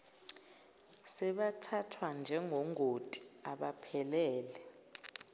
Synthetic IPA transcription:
sɛɓatʰatʰwand͡ʒʱɛŋʱɔŋʱotʼi̥ | aɓapʰɛlɛːlɛ

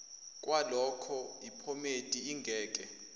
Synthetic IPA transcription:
kʼwalɔkʰɔipʰɔmetʼiːŋɡʱɛːk̬ʼɛ

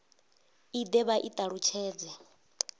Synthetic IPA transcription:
id̪ɛβaʔit̪ʼaɺut͡ʃʰɛːd͡zɛ

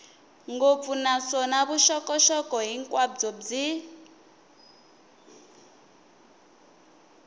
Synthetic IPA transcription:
ŋɡop̪funasɔnaβuʃɔkʼɔʃɔkʼɔɦiŋkʼwad͡zɔd͡zi

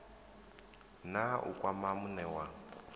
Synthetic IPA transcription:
naʔṵkʼwamamunɛwa

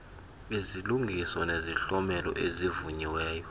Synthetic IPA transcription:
iziluŋɡʱisɔneziɬɔmɛlɔ̰ʔezivuɲiwɛːjɔ

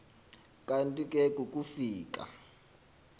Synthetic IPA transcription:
kʼantʼikʼɛkʼukʼufiːk̬ʼa̰

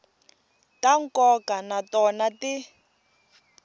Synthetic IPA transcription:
taŋ̩kɔkanatɔnati

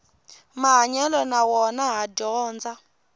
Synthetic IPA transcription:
maɦaɲɛlɔnawɔnaɦadɔːnd͡za

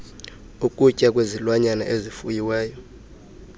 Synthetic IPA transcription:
ukʼucʼakʼwezilwaɲana̰ʔezifujiwɛːjɔ

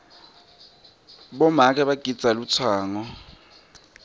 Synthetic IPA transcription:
ɓɔmak̬ʼɛɓaɡ̥ʱid̥z̥ʱalut͡sʰwaːŋɔ

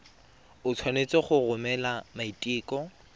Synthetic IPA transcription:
ʊt͡sʰwanet͡sɔχʊrʊmɛlamaitʼiːkʼɔ

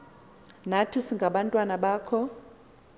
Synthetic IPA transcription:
natʰisiŋɡʱaɓantʼwanaɓaːkʰɔ

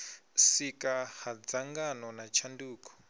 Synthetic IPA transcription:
sikahad͡zaŋɡanɔnat͡ʃʰanduːkɔ̥

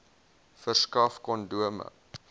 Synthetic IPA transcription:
fərskɐfkɔnduəmə̰

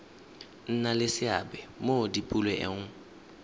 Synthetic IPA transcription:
n̩nalɪsɪabɛmodipʼulwɛʔɛ̰ŋ̩

